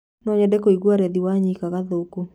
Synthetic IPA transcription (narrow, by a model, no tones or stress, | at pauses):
nɔɲɛdɛkoiɡwaɾɛðiwaɲikaɣaðoːku